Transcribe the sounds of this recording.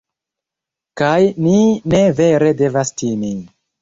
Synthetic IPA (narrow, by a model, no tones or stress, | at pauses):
kajnine̞ve̞ɾe̞de̞vastimi